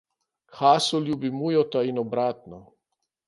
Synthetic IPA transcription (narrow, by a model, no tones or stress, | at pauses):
xaːsɔljubimujɔt̪ainɔbɾaːt̪nɔ